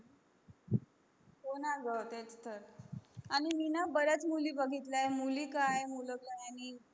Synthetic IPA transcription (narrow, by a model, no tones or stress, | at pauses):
konaɡəwt̪et͡st̪ʰəɾañiminabəɾjat͡smuliːbəɡʱit̪lajmulikajmuləkajani